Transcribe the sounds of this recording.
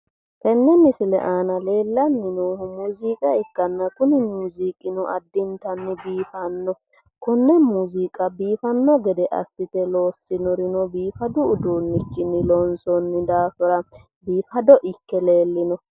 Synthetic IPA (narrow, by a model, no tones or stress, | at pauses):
t̪ɛnːɛmɪsɪlɛ̰ʔaːnɐle̞ːlːɐnːɪnuːhʊmuːzikʼɐɛkːɐnːɐkʊnɪmuːzikʼɪnʊʔɐd̪ːɪnt̪ɐnːɪbiːfɐnːɔ | kʊnːɛmuːzikʼɐbiːfɐnːɔɡɛd̪ɛʔɐ̰sːɪt̪ɛlo̞ːsːɪnʊɾɪnɔbiːfɐd̪ʊːd̪uːnːɪt͡ʃːɪnːɪlɔnsɔnːɪd̪aːfʊɾɐ | biːfɐd̪ɔʔɪkːɛle̞ːlːɪnɔ